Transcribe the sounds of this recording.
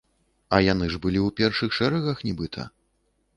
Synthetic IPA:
ɐjanɨʐbɨlʲiwpʲɛrʂɨxʂɛɾɛɣɐxnʲɛbɨt̪ʰɐ̰

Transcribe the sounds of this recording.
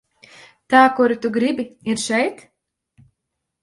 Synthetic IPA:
t̪aːkuɾit̪uɡɾibiiɾʃɛjt̪

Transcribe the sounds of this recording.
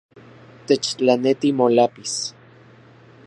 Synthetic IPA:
t̪et͡ʃt͡ɬanet̪imolapis

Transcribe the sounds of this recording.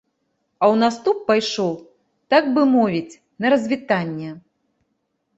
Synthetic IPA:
ɐwnast̪upːajʂɔw | t̪aɡ̚bɨmɔvʲit͡sʲ | nɐɾɐzʲvʲit̪anʲːɛ

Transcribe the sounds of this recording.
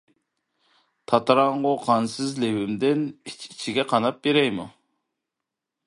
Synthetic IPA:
t̪ʰɑt̪ɾɑɴʁoqʰɑnsɨzlewɪmd̪ɪni̥t͡ʃʰi̥t͡ʃʰiɡʲɛqʰɑnɑp̚beɾɛjmu

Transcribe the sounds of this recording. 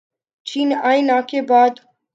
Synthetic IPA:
t͡ʃʰinajnakebaːd̪

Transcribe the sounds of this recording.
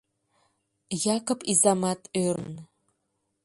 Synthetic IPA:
jakʰɐpʼizamatʰʼør̰n

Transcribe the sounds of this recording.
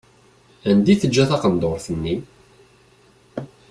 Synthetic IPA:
ænd̪iθəd͡ʒːæθɑqənd̪oɾθənːi

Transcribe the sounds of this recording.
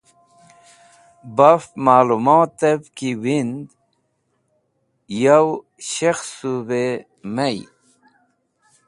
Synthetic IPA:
bafmaːlumoːt̪ɐbkiwind̪ | jaw | ɕexsube | mɐj

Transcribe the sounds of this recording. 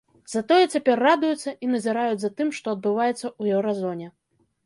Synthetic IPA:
zɐt̪ɔjɛt͡sʲapʲɛrːad̪ujut̪sːɐʔinɐzʲɛɾajud͡zʲzɐt̪ɨmʂt̪ɔɐd̪̚bɨvajɛt̪sːɐuɛwɾazɔnʲɛ

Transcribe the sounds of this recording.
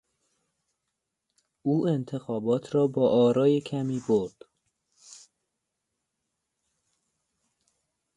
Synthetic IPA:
ʔuːe̞nt̪ʰe̞xɒːbɒːt̪ʰɾɒːbɒːʔɒːɾɒːjekʰæmiːboɾd̪̥

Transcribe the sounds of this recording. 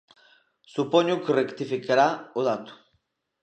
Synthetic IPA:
supoɲukrekt̪ifikeɾaoðat̪u̥

